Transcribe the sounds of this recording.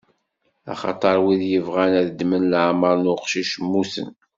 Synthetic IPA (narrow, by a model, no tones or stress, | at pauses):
ɑ̰χɑ̰t̪ˤɑɾˤwiðjəvʁænæðəd̪ːmənlʕməɾˤnʊqʃiʃmːusə̰n